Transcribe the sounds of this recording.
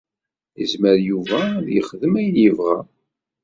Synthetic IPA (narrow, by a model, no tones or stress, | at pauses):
jəzməɾjuvæðjəχðəmæjəvʁæ